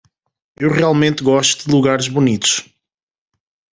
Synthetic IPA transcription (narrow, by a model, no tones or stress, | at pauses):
ewʁialˠmẽnt̪ɣɔʃt̪uðɨlˠuɣaɾʒβunit̪u̥ʃ